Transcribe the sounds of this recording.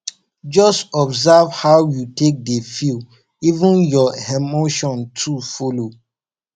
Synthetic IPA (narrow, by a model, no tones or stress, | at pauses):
d͡ʒɔstɔbzavhawjutek̚defil | ivə̃njɔhɛmoʃɔ̃ntʰufolo